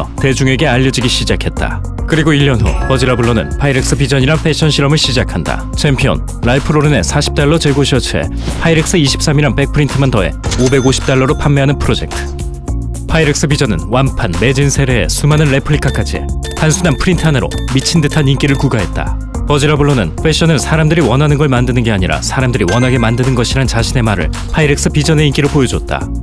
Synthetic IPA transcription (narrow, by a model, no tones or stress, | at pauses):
ʌte̞d͡ʑuŋe̞ɡe̞aʎːʌd͡ʑiɡiɕʰid͡ʑakʰe̞t̚t͈a̰ | kɯɾiɡoiʎːʌnɦṵpʌd͡ʑiɾabuɭːonɯ̰npʰaiɾek̚s͈ɯpid͡ʑʌɲiɾanpʰe̞ɕ͈ʰʌnɕʰiɾʌmɯɭɕʰid͡ʑakʰanda̰ | t͡ɕʰe̞mpʰijʌ̰n | ɾaipʰɯɾoɾɯne̞̰sʰaɕʰi̥p̚t͈aɭːʌt͡ɕeɡoɕʰiʌt͡ɕʰe̞̰ | pʰaiɾek̚s͈ɯiɕʰi̥p̚s͈amiɾanpe̞k̚pʰɯɾintʰɯmantʌe̞̰obe̞ɡoɕʰi̥p̚t͈aɭːʌɾopʰamːeɦanɯnpʰɯɾod͡ʑe̞̰k̚tʰɯ̥ | pʰaiɾek̚s͈ɯpid͡ʑʌnɯnwampʰanme̞d͡ʑinsʰe̞ɾe̞̰ːsʰumanɯnɾepʰɯɾikʰak͈ʰad͡ʑʰiḛtansʰunanpʰɯɾintʰaneɾo̰mit͡ɕʰindɯtʰanink͈iɾɯɭkuɡaɦe̞t̚t͈a̰ | pʌd͡ʑiɾabuɭːonɯnpʰwe̞ɕ͈ʌnɯnsʰaɾamdɯɾiwʌnɦanɯnɡʌɭmandɯnɯnɡe̞aɲiɾa̰sʰaɾamdɯɾiwʌnɦaɡe̞mandɯnɯnɡʌɕʰiɾant͡ɕaɕʰine̞maɾɯ̰ɭ | pʰaiɾek̚s͈ɯpid͡ʑʌne̞ink͈iɾopojʌd͡ʑʌt̚t͈a̰